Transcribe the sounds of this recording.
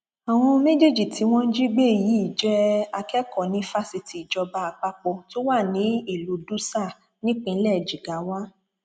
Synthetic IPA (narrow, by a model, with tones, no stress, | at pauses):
a˨w̃ɔ̃˧me˦d͡ʒe˦d͡ʒi˦˨ti˨˦w̃ɔ̃˦n̩˦d͡ʒi˦ɡ͡be˦˨ji˨˦i˦˨d͡ʒɛ˦a˧kɛ˦kɔ˨nĩ˨˦fa˧si˧ti˨d͡ʒɔ˧ba˦˧a˧k͡pa˦k͡pɔ˧to˦wa˦˨nĩ˨˦i˦˨lu˧˦du˦sa˦˨ | nĩ˦k͡pĩ˧n̩˦lɛ˦˨d͡ʒi˨ɡa˨˦wa˦